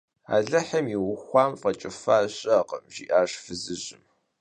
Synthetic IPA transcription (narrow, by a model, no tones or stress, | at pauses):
a̰ːɮɐħɐmiwʊxʷɑːmfɐt͡ʃʼɪfaːɕʼɐqɐmʒiːʔaːʂfɨzɨɕʼɪm